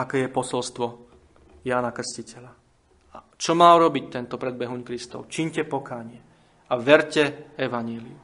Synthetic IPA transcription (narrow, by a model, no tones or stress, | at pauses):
akɛːjɛpɔsɔlst̪ʋɔ | jaːnakr̩scicɛla | a | t͡ʃɔmaːuɾɔbic̚t̪ɛnt̪ɔpɾɛd̪̚bɛɦuɲkɾist̪ɔ̰ʊt͡ʃiɲcɛpɔkaːɲɪɛ | aʋɛɾcɛɛʋaɲɪɛliu